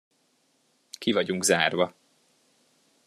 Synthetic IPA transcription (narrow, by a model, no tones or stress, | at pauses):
kivɒɟuŋɡzaːrvɒ